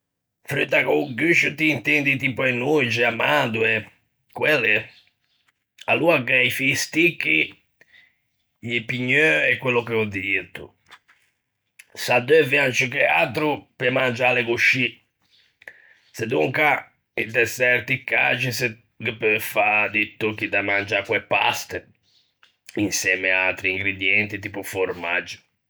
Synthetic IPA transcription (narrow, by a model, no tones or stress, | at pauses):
fɾyt̪ːakoɡyʃut̪iːnt̪end̪it̪ipɔɛnːud͡ʒɛamad̪uɛ | kwɛlːɛ | a̰luaɡɛifist̪ikːi | jipiɲːøɛkwelːɔkɛɔd̪it̪ṵ | sad̪øviant͡ʃikɛa̰t̪ɾupɛmand͡ʒalekuʃːi | sed̪uŋka | id̪ɛsɛɾt̪ikːa̰t͡ʃisə | ɡəpefad̪it̪ːukid̪amand͡ʒakwɛpːa̰st̪ə | insjɛːmeat̪ɾiiŋɡɾed̪jɛnt̪it̪iːpufoɾmad͡ʒːʊ̥